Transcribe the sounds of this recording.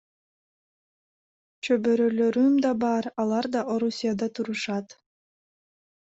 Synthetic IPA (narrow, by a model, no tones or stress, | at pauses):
t͡ʃøbøɾøløɾymd̪ɑbɑɾɑlˠɑɾd̪ɑʔoɾusʲijad̪ɑt̪uɾuʃɑt̪